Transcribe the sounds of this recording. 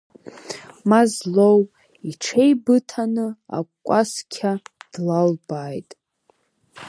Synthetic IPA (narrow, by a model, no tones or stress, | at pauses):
mazlow | iʈ͡ʂʰe̞jbɨtʰanɨa̰kʷkʷʼaskʲʰad̥lalbaːjtʼ